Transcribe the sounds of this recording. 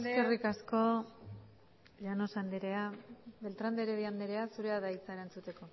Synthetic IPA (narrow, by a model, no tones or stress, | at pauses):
eskerikasko̞ | ʎano̞sand̪eɾe̞aβe̞lt̪ɾand̪eɾeβiand̪eɾe̞asuɾe̞aðait͡saeɾant͡sut̪e̞ko̞